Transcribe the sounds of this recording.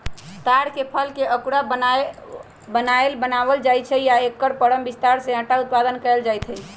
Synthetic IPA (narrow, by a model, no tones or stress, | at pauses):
t̪aɽkepʰəlkeʔəkuɽa | bənaelbənabəld͡ʒajt͡ʃʰɛjaekːəɾpəɽəmbist̪aɾsẽə̃ʈaut̪̚pad̪ənkəeld͡ʒajt̪ʰɦəj